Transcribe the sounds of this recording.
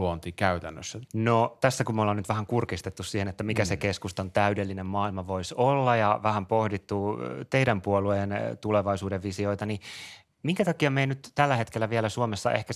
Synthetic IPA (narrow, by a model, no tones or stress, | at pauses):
uont̪ikæyt̪ænːø̰sːænot̪æsːækumolːɑnyt̪ʋæhæŋkurkist̪et̪ːussiːhenet̪ːæmikæsekeskust̪ont̪æydelːinemmɑːilmɑʋoisolːɑjɑʋæhæmpohdit̪ːut̪eiɾæmpuoluent̪uleʋɑisuːdeʋʋisioit̪ɑni | miŋkæt̪ɑkiɑmeinyt̪t̪ælːæhet̪kelːæʋielæsuomesːɑ̰ʔehkæ